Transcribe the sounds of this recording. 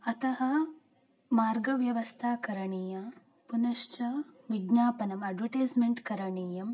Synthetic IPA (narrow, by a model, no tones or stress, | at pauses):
ɐt̪ɐɦɐ | maːɾɡɐʋjɐʋɐst̪ʰaːkɐɾɐɳiːjɐ | punɐʃt͡ʃɐʋiɡɲaːpɐnɐmɐɖʋɐʈeːd͡ʒmeɳʈkɐɾɐɳiːjɐm